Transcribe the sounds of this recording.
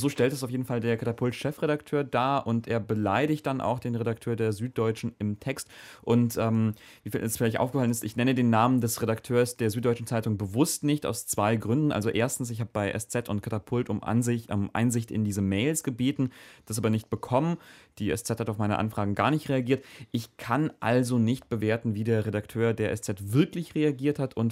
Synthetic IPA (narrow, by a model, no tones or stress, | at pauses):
zoːʃtɛltɛsaʊfjeːdn̩faldeːɐkʰatapʰʊltʃɛfʁ̥eɾaktʰøːɐdaːʔʊntʔeːɐbəlaɪdɪçt̚d̥anʔa̰ʊxd̥eːnʁeɾak̚tʰøːɐdeːɐzyːt̚d̥ɔʏt͡ʃn̩ɪmtʰɛkstʔʊntʔɛːm | viːfḭːlɛsfɪlaɪçtʔa̰ʊfɡə̥falənɪstɪçnɛnədeːnːaːməndɛsʁeɾaktʰøːɐsd̥eːɐzyːt̚d̥ɔʏt͡ʃn̩t͡saɪtʊŋbəvʊstnɪçta̰ʊst͡sv̥aɪɡʁʏndn̩ʔa̰lzoʔeːɐstn̩s̬ɪçhaːbəbaɪʔɛ̰st͡sɛtʰʊntkʰatapʰʊltʊmʔa̰nzɪʔɛmʔa̰ɪnzɪçtɪ̰ndiːzəmɛɪlsɡ̥əbeːtn̩d̥asʔaːbɐnɪçt̚b̥əkʰɔmənd̥iːɛ̰st͡sɛthataʊfmaɪnəʔa̰nfʁ̥aːɡŋ̩ɡaːɐnɪçtʁ̥eaɡiːɐtʔɪçkʰanʔa̰lzonɪçt̚b̥əveːɐtn̩viːdeːɐʁedaktʰøːɐdeːɐʔɛ̰st͡sɛtv̥ɪɐklɪçʁeaɡiːɐthatʰʊnt